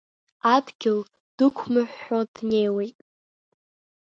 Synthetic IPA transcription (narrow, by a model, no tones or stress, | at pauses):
adɡʲɪl | d̥ɨkʷʰmɨħʷːadnejwejtʼ